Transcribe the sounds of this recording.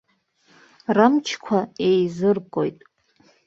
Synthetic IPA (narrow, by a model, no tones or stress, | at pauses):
ramt͡ʃʰkʷʰaejzɨrkʼo̰jtʼ